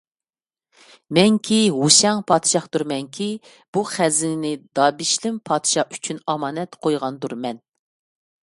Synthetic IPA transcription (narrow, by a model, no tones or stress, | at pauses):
mɛŋkʲʰiɦuʃɛŋpʰɑːd̪ʃɑχd̪uɾmɛŋkʲʰi | b̥uχæzɪnnɪd̪ɑːbiʃlɪmpʰɑːd̪ʃɑy̥t͡ʃʰynɑmɑːnɛt̪qʰojʁɑnd̪uɾmɛn